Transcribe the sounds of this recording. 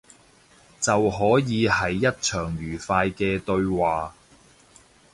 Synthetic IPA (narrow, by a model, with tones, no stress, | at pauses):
t͡sɐ˨wɦɔː˨˥jiː˨˧hɐ˨˥jːɐ˥t̚t͡ʃʰœː˨˩ŋɥyː˨˩faː˧jkɛː˧t̪ɵ˧ɥwaː˨